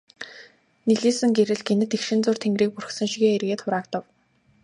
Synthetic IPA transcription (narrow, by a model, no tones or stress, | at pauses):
niɮiːsɘ̆ŋɡeɾɘ̆ɮɡenɘ̆t̪ekʃɪ̆nt͡sʊːr̥t̪ʰeŋɡriːk̚pur̆xsə̆ŋʃiɣeːerɣeːt̪χʊɾaːkt̪ə̆w